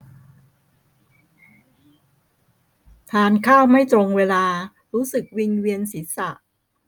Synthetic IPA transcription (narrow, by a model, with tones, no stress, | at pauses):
t̪ʰaː˧nkʰaː˥˩wma˥˩jt̪ɾo˧ŋweː˧laː˧ | ɾuː˦˥sɯ˨˩k̚wi˧nwi˧ənsi˩˦˥sa˨˩ʔ